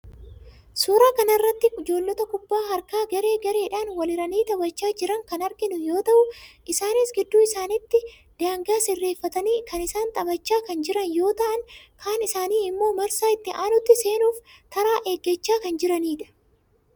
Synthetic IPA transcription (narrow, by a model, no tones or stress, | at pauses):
suːɾaːkɐnɐɪrːɐt̪ːɪkʊd͡ʒo̞ːlːɔt̪ɐkʊbːaːɦɐɾkaːɡɐɾe̞ːɡɐɾe̞ːᶑaːnwɐlɪɾɐniːt̪ɐbɐt͡ʃːaːd͡ʒɪɾɐŋkɐnɐɾɡɪnʊjo̞ːt̪ɐʔʊʔɪsaːnisɡɪd̪ːuːɪsaːnɪt̪ːɪ | d̪̥aːŋɡɐɐsɪrːe̞ːfːɐt̪ɐniːkɐnɪsaːnt̪ʼɐbɐt͡ʃːaːkɐnd͡ʒɪɾɐnjo̞ːt̪ɐʔɐŋkʰaːnɪsaːniːɪmːo̞ːmɐɾsaːɪt̪ːɪʔaːnʊt̪ːɪse̞ːnuːft̪ɐɾaːʔeɡːɛt͡ʃːaːkɐnd͡ʒɪɾɐniːᶑɐ̥